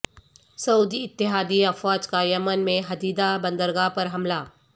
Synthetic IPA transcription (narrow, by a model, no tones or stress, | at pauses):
sɐuːd̪iɪt̪ːɪɦaːd̪iɐfwaːd͡ʒkajɐmənmẽɦɐd̪iːd̪abə̃nd̪əɾɡapɐɾɦɐmlaː